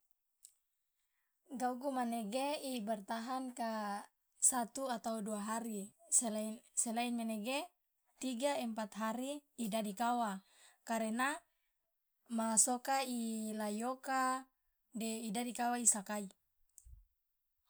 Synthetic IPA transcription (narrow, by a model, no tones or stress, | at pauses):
ɡauɡumaneɡeibɛrt̪aɦanka | sat̪uat̪auduaɦaɾiselsɛlainmɛnɛɡe | t̪iɡaɛmpat̪ɦaɾiːdadikawa | kaɾena | masokailajoka | dɛidadikawaisakai